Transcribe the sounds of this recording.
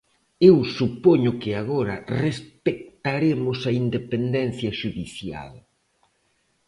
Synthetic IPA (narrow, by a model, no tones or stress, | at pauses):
ewsupɔɲʊkɪaɣoɾɐ̰respek̚t̪aɾemʊsɐind̪epend̪ɛnθjɐʃuðiθja̰l